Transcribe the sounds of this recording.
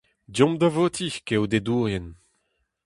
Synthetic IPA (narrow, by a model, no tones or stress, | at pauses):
djɔ̃md̪avot̪ʰikewd̪ed̪uːʁjɛn